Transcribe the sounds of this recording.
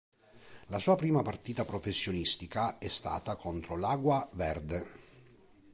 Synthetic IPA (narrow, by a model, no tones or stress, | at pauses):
lasuːapɾiːmapart̪iːt̪apɾofesːjonist̪ikaɛst̪a̰ːt̪akʰont̪ɾolaːɡwavɛrd̪e